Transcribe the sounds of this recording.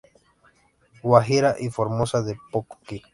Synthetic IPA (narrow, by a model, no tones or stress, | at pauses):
waɦiɾaʔifoɾmosaðepoko̥ki